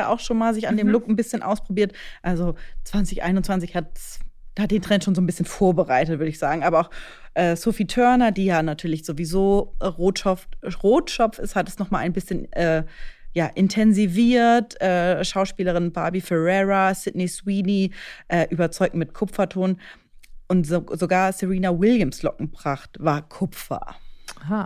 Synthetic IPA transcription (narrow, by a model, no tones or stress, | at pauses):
aʔa̰ʊxʃoːnmaːlzɪçandeːmlʊkn̩bɪsçənʔa̰ʊspʁ̥obiːɐtʔalzot͡sv̥ant͡sɪçʔa̰ɪnʊntt͡sv̥ant͡sɪçhat̚sd̥ahat̚d̥eːntʁ̥ɛnʃoːnzoːnbɪsçənfoːɐbəʁaɪtətv̥ʏɐɾəɪçz̥aːɡŋ̩ʔaːbɐaʊx | ʔɛːsofiːtʰœɐnɐdiːjaːnatʰyːɐlɪçz̥ovizoːʁoːtʃɔftʁoːtʃɔpfɪshat̚ɛsnɔχmaːlʔaɪnbɪsçənʔɛːjaːʔɪntʰɛnziviːɐtʔɛːʃaʊʃpiːləʁɪnbaːbifɛʁɛʁasɪdnɛswiːniʔɛːʔyːbɐt͡sɔʏɡ̚tmɪtkʰʊpp͡fɐtʰoːn | ʔʊntzozoɡaːɐsɛʁiːnawɪljəmslɔ̰k̚ŋ̩bʁaχtv̥aːɐkʰʊp͡fɐ̰a